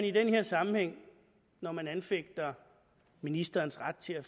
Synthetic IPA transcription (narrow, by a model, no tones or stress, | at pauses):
nid̥enhe̝ɐsɑ̈mm̩heŋ̰ | nɒmænænfeɡ̥̚d̥ɐ | minisd̥ɐːnsʁad̥̚t͡sʰe̝æ